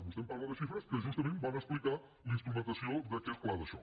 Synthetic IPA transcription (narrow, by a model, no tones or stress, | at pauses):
must̪ẽmpaɾɣɐðɐʃifɾɐskəʒust̪ɐmẽmbanɐsplika | lĩnst̪ɾumẽnt̪ɐsjod̪ɐkesklaðɐsõ̰